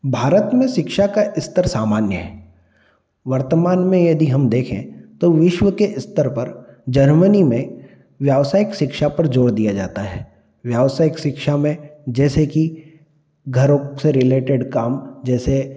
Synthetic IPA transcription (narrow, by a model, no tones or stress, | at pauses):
bʱaːɾət̪mẽʃɪkʃakaʔɪst̪əɾsaːmaːnjəɦɛ̰ː | ʋɐɾt̪əmaːnmẽjɐd̪iɦɐmd̪eːkʰḛ̃t̪oʋɪʃʋəkeʔɪst̪əɾpɐɾd͡ʒɐɾmənimẽ | ʋjaːʋsaːjɪkʃɪkʃapɐɾd͡ʒoːɽd̪ijad͡ʒa̰ːt̪aɦɛː | ʋjaːʋsaːjɪkʃɪkʃamẽd͡ʒɛːseki | ɡʱɐɾõseɾɪleːʈɪɖkaːmd͡ʒɛːse